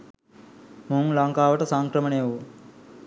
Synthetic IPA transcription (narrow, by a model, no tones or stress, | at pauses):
muuŋlaŋkaːʋəʈəsaŋkɾəmənejʋu